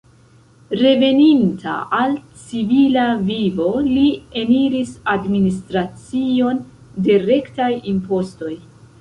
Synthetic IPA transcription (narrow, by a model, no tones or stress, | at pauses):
ɾe̞ve̞nintʰa̰alt͡sivilavivo̞lie̞niɾisadministɾat͡sio̞n | de̞ɾe̞ktajimpo̞sto̞j